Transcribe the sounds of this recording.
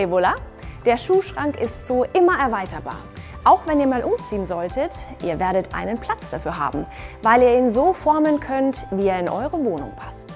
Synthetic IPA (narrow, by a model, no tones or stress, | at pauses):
ebola | d̥eːɐʃuːlʃʁ̥aŋkɪstz̥oːʔɪmɐʔɛɐvaɪtɐba̰ːɐʔaʊxv̥ɛniːɐmaːlʔʊmt͡siːənzɔltʰətʔiːɐveːɐɾətʔa̰ɪnənpʰl̥at͡sd̥afyːɐɦa̰ːbm̩ | vaɪliːɐiːnzoːfɔɐmənkʰœntviːeːɐɪnʔɔ̰ʏʁəvoːnʊ̰ŋpʰḁst